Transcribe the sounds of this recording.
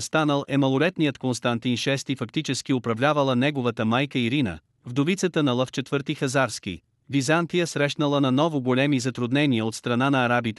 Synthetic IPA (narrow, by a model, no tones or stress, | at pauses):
st̪anəlˠʔɛmɐlˠolɛt̪nijət̪konst̪ɐnt̪inʃɛst̪ifɐkt̪it͡ʃɛsk̟iʊpɾɐvlʲavəlˠənɛɡʊvət̪əmajkəiɾinə̰ | vd̪ovit̪sət̪ənɐlˠəft͡ʃɛt̪vɤɾt̪ixɐzaɾskḭ | vizant̪ijəsɾɛʃnəlˠənɐnɔvʊɡʊlʲɛmizɐt̪ɾʊd̪nɛniəot̪st̪ɾɐnanɐːɾabit̪ɛ